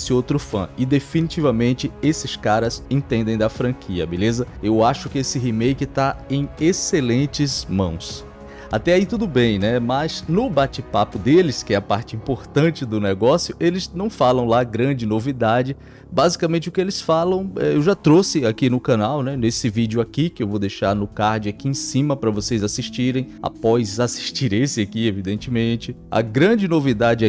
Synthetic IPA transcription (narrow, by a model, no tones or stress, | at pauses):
sɪowt̪ɾʊfɐ̰̃ɪd̪efinit͡ʃivɐmẽnt͡ʃɪesɪskaɾɐzẽt̪ẽnd̪ẽj̃d̪ɐfɾɐ̃kʰiɐ̰belezɐewaʃʊkɪesɪɦimejkɪt̪aẽj̃eselẽnt͡ʃɪzmɐ̰̃w̃s | a̰t̪ɛait̪ud̪ʊbẽj̃nɛmɐznʊbat͡ʃɪpapʊd̪elɪskɪɛɐpaɾt͡ʃɪĩpoɾt̪ɐ̃t͡ʃɪd̪ʊnɛɡɔsjʊʔelɪznɐ̃w̃falɐ̃w̃laɡɾɐ̃d͡ʒɪnovid̪ad͡ʒɪ | bazikamẽnt͡ʃɪʊkɪelɪsfalɐ̃w̃ɛewʒat̪ɾosɪakinʊkɐ̃nawnɛnesɪvid͡ʒʊakikɪewvowd̪ejʃaɾnʊkaɾd͡ʒʊakiẽsĩmɐpɾɐvosejzasiʃt͡ʃiɾẽj̃a̰pɔjzasi̥ʃt͡ʃiɾesɪakievid̪ẽnt͡ʃɪmẽt͡ʃɪɐ̰ɡɾɐ̃d͡ʒɪnovid̪ad͡ʒɪ